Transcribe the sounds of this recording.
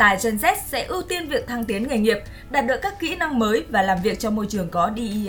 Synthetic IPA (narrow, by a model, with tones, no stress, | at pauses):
t̪aː˧˩jt͡ɕə˧nzɛ˦˥t̚sɛ̰˧˥ʔu˧t̪i˧nvi˨˩ək̚t̪ʰaː˧ŋt̪i˨˦ənŋa˨˩jŋi˨˩əp̚ | ɗaː˨˩t̚ɗɨ˨˩əkːaː˦˥kːḭ˧˥na˧ŋməː˨˦jvaː˨˩laː˨˩mvi˨˩ək̚t͡ɕɔ˧mo˧jt͡ɕɨ˨˩əŋkɔ˨˦ɗi˧